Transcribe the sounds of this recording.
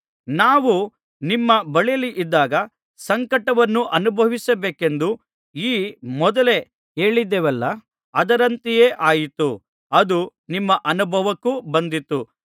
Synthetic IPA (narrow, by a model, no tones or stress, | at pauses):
naːʋu | nimːɐbɐɭijɐliʔid̪ːaːɡɐ | sɐŋkɐʈɐʋɐnːuʔɐnubʱɐʋisɐbeːke̞nd̪u | iːmɔd̪ɐle̞ | eːɭid̪ːeʋɐlːɐ | ɐd̪ɐɾɐnt̪ijeːʔaːjit̪u | ɐd̪unimːɐʔɐnubʱɐʋɐkːubɐnd̪it̪ːu